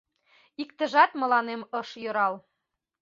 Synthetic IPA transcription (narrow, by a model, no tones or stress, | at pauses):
ikt̪ə̆ʒɑt̪mɤ̆lɑnemɤʃjø̆ɾɑl